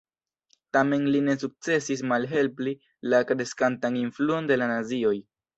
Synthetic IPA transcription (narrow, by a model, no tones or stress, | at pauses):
tame̞nline̞suk̚t͡se̞sis̬malɦe̞lpli | lakɾe̞skantaninfluo̞nde̞lanazio̞j